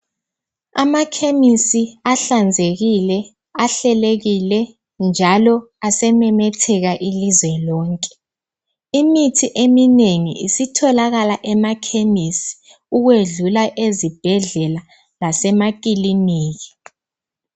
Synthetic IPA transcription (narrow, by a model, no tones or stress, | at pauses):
amakʰemisiaɬand͡zʱeɣilɛ | aɬɛleɣilɛ | nd͡ʒʱalɔasɛmɛmɛtʰɛɣaʔilizwɛlɔːŋkʼɛ̥ | imitʰiʔemineŋḭisitʰɔlaɣalaʔɛmakʰemisi̥ | uɣweɮulaʔezib̥ʱɛɮɛla | lasɛmakʼiliniːɣi̥